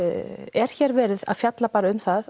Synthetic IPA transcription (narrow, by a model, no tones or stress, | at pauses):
ɛɾ̥çɛːɾvɛːɾɪða̰ðfjat̪lapaːɾaʏmθað